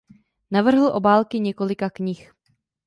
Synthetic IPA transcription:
navr̩ɦl̩ʔo̞baːlkɪɲɛko̞lɪkakɲɪx

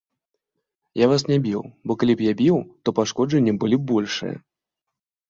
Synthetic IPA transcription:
javasnʲabʲiwbɔkalʲipjabʲiwt̪ɔpaʂkɔʐɐnʲːɐbɨlʲibɔlʲʂɨ̰jɐ̰

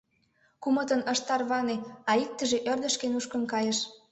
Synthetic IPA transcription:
kumə̆t̪ənə̆ʃt̪ɑrβɑneɑik̚t̪ə̆ʒeʔørd̪ə̆ʃkenuʃkə̆nkɑjeʃ

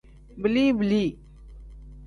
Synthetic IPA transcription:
bəliːbliː

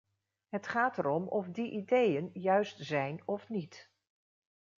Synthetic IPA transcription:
ɦətχaːtəɾɔmɔfdiʔidejənjœɥstz̥ɛjnɔfnit

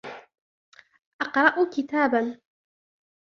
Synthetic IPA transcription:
ʔɑqɾˤɑʔkɪt̪aːban

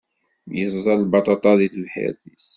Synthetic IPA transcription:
jəzˤzˤɑlbɑt̪ˤɑt̪ˤɑðiθlħḛɾθis

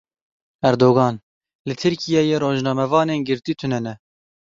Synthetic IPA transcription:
æɾd̪oːɣɑːn | lɨt̪ʰɨɾkijɛjeːɾoːʒnɑːmɛvɑːneːnɡɨɾt̪iːt̪ʰʊnɛnɛ

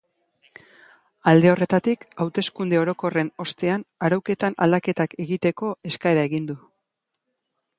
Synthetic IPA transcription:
ald̪eo̞re̞t̪at̪ikawt̪e̞skund̪e̞o̞ɾo̞ko̞re̞no̞st̪e̞anaɾawke̞t̪anʔa̰ld̪ake̞t̪ake̞ɣit̪e̞ko̞e̞skae̞ɾae̞ɣind̪u

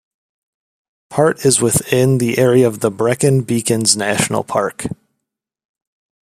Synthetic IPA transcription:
pʰɑɹɾɨzwɪθɪ̃nðiʔɛɹiɨʌvðəbɹɛkɨ̃nbikɨ̃nznæʃn̩l̩ˠpʰɑ̰ɹk

